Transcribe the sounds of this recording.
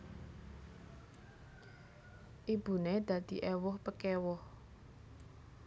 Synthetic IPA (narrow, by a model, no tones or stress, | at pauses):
ʔib̥ṳned̪̥ä̤d̪̥i̤ʔɛwʊhpəkɛwɔh